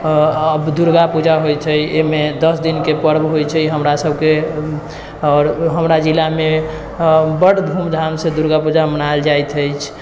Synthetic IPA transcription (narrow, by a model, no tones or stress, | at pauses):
əbd̪uɾɡapud͡ʒaɦojt͡ʃ̪ʰɛemed̪əsd̪inkepəɾbɦojt͡ʃʰɛiɦəmɾasəbʱke | ɔɾɦəmɾad͡ʒilame | bəɽb̪ʱumd̪ʱamsed̪uɾɡapud͡ʒamənald͡ʒajt̪ʰəjt͡ʃʰ